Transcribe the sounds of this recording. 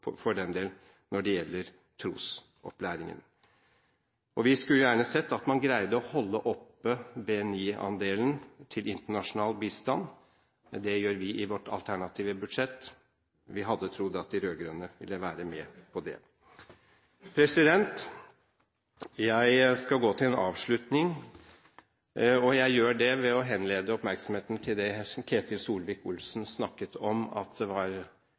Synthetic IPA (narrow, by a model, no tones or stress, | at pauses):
ɔfɔɖɛnd̪eːl | nɔɖɛjɛlːəɾ | t̪ʰɾuːs | ɔ̰plæːɾɪŋə̰n | ɔʋɪskʉljæːɳəsɛt̪ːɑt̪mɑnɡɾæɪd̪əɔhɔlːəʔɔpːəbeɛniːɑ̰nd̪eːlənt̪ʰɪlɪnt̪əɳɑʂʊnɑːlbiːst̪ɑn | d̪ɛjøːɾʋɪʔɪʋɔʈːʰɑ̰lt̪ʰæɳɑt̪ʰiːʋəbʉd̪ʂɛt̪ː | ʋɪɦɑd̪ːət̪ʰɾʊd̪ːɑt̪̚d̪ɪɾøːɡɾœnːəʋɪlːəʋæːɾəmɛpʰɔd̪ɛ̰ | pʰɾɛsɪd̪ɛnt̪ | jæɪskɑlɡoːt̪ʰɪlɛnɑ̰ːʋʂɭʉt̪nɪŋ | ɔjæɪjøːɖɛʋɛɔɦɛnleːd̪əɔpmæɾksɔm̩heːt̪nt̪ʰɪld̪ɛkʰeːt̪ʰɪlsuːlʋɪkʊlsnsnɑkːət̪ʰɔmɑ̰t̪d̪ɛʋɑɾ